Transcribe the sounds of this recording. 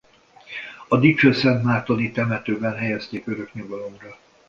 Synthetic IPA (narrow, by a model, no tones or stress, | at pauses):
ɒd̪it͡ʃøsɛnt̪maːt̪onit̪ɛmɛt̪øːbɛnɦɛjɛst̪eːkøɾøkɲuɡɒlomrɒ